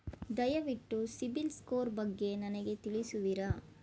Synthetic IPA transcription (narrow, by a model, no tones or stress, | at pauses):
d̪ɐjɐʋiʈːusibilskoːɾbɐɡːe̞nɐnɐɡe̞t̪iɭisuʋiɾɐ